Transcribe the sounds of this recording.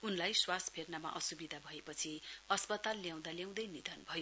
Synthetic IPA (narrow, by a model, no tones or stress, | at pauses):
unlajswaspʰernama̰ʔʌsubid̪ʱabʱʌepʌt͡sʰiʌspʌt̪alːjãw̃d̪aljaw̃d̪ʌjnid̪ʱʌnbʱʌjo